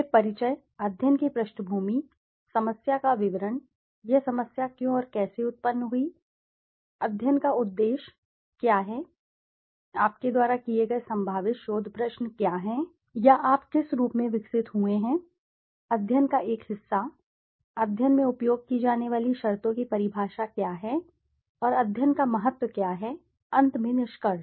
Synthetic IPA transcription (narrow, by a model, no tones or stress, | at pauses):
epɐɾɪt͡ʃəj | ɐd̪ʱjənkipɾɐʃnəbʱuːmi | sɐməsjakaʋɪʋəɾən | jɛɦsɐməsjakjõɔːɾkɛːseʊt̪̚pənːɦui | ɐd̪ʱjənkaʊd̪ːeːʃ | kjaːɦɛ | aːp̚ked̪waːɾakieɡɐesɐ̃mbʱaːʋɪt̪ʃoːd̪ʱpɾəʃnkjaːɦɛ̃ | jaʔaːpkɪsɾuːpmẽʋɪksɪt̪ɦueɦɛ̃ː | ɐd̪ʱjənkaʔeːkhɪsːa | ɐd̪ʱjənmẽʊpjoːɡ̚kid͡ʒaːneʋaːliʃɐɾt̪õkipɐɾɪbʱaːʃakjaːɦɛ | ɔːɾɐd̪ʱjənkamɐɦət̪wəkjaːɦɛ | ɐ̃nt̪mẽnɪʃkəɾ